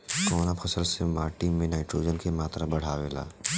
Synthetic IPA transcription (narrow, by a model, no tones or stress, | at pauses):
kɔːnapʰɐsəlsemaːʈimẽnaːɪʈɾoːd͡ʒənkemaːt̪ɾabɐɽ̤aːʋeːla̰ː